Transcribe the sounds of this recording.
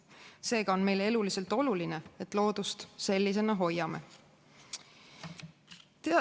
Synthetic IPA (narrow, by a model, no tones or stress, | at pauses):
se̞ːɡ̥ɑo̞nme̞jle̞lulise̞lt̪ˑo̞luline̞et̪ːˑlo̞ːd̪̥ust̪se̞lʲːis̬e̞nɑɦo̞jːɑme̞̰ | t̪eɑ